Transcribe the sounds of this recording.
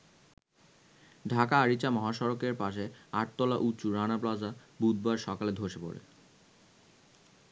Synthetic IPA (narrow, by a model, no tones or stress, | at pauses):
ɖʱakaaɾit͡ɕamɔɦaʃɔɾokeɾpaʃeaɾʈ̚t̪ɔlaʔutːt͡ɕuɾanaplad͡ʑabud̪̚baɾʃɔkaled̪ʱoʃepo̰ɾḛ